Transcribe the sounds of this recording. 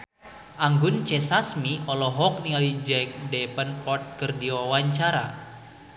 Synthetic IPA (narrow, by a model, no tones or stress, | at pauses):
ʔaŋɡʊnt͡ʃɛsasmiʔɔlɔɦɔk̚niŋalid͡ʒɛk̚dɛpənpɔt̪̚kərdiwawaɲt͡ʃaɾa̰